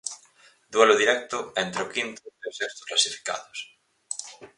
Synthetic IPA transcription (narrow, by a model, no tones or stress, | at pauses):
d̪weloðiɾɛk̚t̪ʊent̪ɾokint̪ʊeosest̪ʊ̥sklasifi̥ka̰ðʊs